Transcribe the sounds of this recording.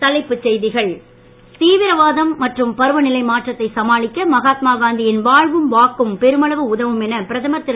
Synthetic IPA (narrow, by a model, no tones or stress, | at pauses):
t̪ɐlɐɪpːɯt͡ʃːɛjðɪɣɐɭ | t̪iːʋɪɾɐʋaːðɐmːɐʈrɯmpɐɾɯʋɐnɪlɐɪmaːʈrɐt̪ːɐɪsɐmaːɭɪkːɐmɐɣaːt̪̚maːɡaːnd̪ɪjɪnʋaːɻʋɯmʋaːkːɯmpɛɾɯmɐɭɐʋɯʊðɐʋɯmɛnɐpɪɾɐðɐmɐt̪ːɪ